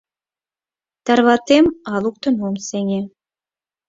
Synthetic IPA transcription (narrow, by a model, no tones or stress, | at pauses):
t̪ɑrβɑt̪emɑluk̚t̪ɤ̆nomsenʲe